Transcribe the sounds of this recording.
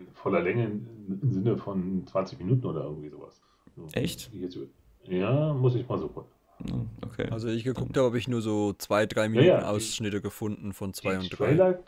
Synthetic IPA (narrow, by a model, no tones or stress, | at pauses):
fɔlɐlɛŋəɪnzɪnəfɔnt͡sv̥ant͡sɪçminuːtn̩oːdɐʔɪ̰ɐɡŋ̩tv̥iːzo̰ːva̰s | z̥oːʔɛçtɪçjɛt͡sː | jaːmʊs̬ɪçmaːlzoːkʰʊkn̩ | aʔo̰kʰḛːʔalzoiːɪçɡ̥əkʰʊkthaːəhaːbəɪçnuːɐzoːt͡sv̥aɪdʁaɪminaaːn̩ʔa̰ʊsʃnɪtəɡəfʊndn̩fɔnt͡sv̥aɪʊnt̚d̥ʁaaɪlaɪ